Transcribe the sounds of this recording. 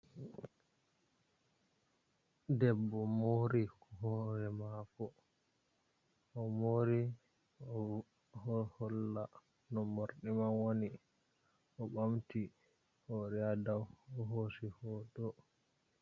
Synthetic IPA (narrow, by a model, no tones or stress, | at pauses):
dɛbːɔmoɾikɔɦɔɾɛmakɔ | ɔmoːɾi | ɔ | hɔhɔlːa | nɔmoɾɗimanwoni | ʔɔɓamti | hɔɾɛadawɔɦosihɔːdɔ